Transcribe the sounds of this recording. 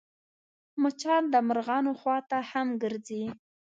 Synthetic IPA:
mʊt͡ʃɑld̪əmaɾɣɑnoxwɑt̪ahamɡəɾzi

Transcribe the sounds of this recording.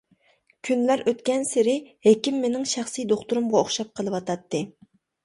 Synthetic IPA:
kʲʰynlæɾøt̪kʲɛnsɪɾɪhekʲimːenɪŋʃæχsijd̪oχt̪uɾʊmʁɑoχʃɑp̚qʰəlˠɨwɑt̪ʰɑt̪ːɨ

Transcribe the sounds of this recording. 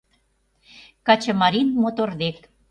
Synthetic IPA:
kɑt͡ɕə̆mɑɾinmot̪ord̪ek

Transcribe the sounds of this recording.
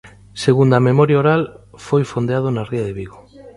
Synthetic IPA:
seɣund̪amemɔɾjaoɾalfojfond̪eaðonariaðeβiɣo

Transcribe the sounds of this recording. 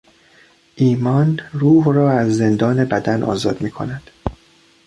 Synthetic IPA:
ʔiːmɒnruːɦrɒːæzːe̞nd̪ɒːne̞bæd̪ænʔɒ̰ːzɒːd̪miːkʰo̰næd̪̥

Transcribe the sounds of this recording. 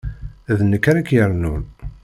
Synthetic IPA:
ðnəkːaɾakjəɾnun

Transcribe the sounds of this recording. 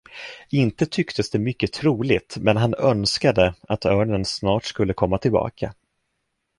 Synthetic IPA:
ɪnt̪ət̪ʰʏkt̪ʰəsd̪ɛmʏkːət̪ʰɾuːlɪt̪mɛnɦanœnskad̪əat̪œːɳənsnɑːʈskɵlːəkʰɔmːat̪ʰɪlbɑ̰ːkʰa̰

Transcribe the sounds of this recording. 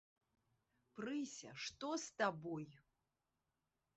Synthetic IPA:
prɨsʲɐ̰ʂt̪ost̪aboj

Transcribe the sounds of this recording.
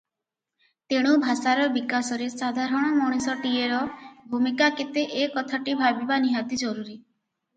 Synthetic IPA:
t̪eɽ̃ubʱasaɾɔbikasɔɾesad̪ʱaɾɔɽ̃ɔmɔɽ̃isɔʈieɾɔbʱumikaket̪eʔekɔt̪ʰaʈibʱabibaniɦat̪id͡ʒɔɾuɾi

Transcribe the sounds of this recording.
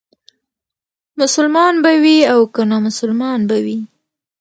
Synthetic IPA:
mʊsʊlmɑnbawiawkənamʊsʊlmɑnbawi

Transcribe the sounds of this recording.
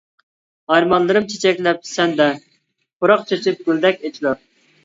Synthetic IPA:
ɑɾmɑnlˠɨɾɨmt͡ʃʰe̥t͡ʃʰɛkʲlɛp̚sɛnd̪ɛ | ʊɾɑqt͡ʃʰet͡ʃʰɪp̚ɡʲyld̪ɛkʲet͡ʃʰilɑɾ

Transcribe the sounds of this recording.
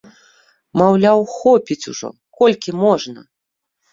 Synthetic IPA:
mawlʲawxɔpʲit͡sʲuʐɔ̰ | kɔlʲkʲimɔʐnɐ̰

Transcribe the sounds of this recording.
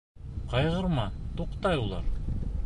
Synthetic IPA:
qɑjʁɤ̆ɾmɑt̪uqt̪ɑjulˠɑ̰ɾ

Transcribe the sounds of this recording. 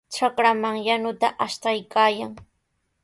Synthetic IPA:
ʈ͡ʂakɾamaŋjanʊt̪aʔaʃt̪ajkaːjaŋ

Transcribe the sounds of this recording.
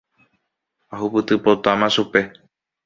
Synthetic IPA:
aɦupɨt̪ɨpot̪amãʃupe̞

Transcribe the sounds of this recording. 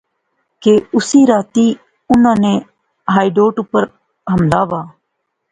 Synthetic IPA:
keːʊsiːɾaːt̪iː | ʊnãːnẽː | ɦaːiɖoːʈʊpəɾ | ɦəmlaːʋaː

